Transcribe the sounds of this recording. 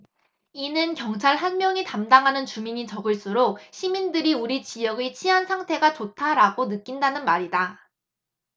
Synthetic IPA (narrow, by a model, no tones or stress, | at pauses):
inɯnkjʌŋt͡ɕʰaɭɦanmjʌŋitamdaŋɦanɯnt͡ɕumiɲit͡ɕʌɡɯɭs͈uɾok̚ɕʰimindɯɾiuɾit͡ɕijʌɡet͡ɕʰiɦansʰaŋtʰe̞ɡat͡ɕotʰaɾaɡonɯk͈indanɯnmaɾida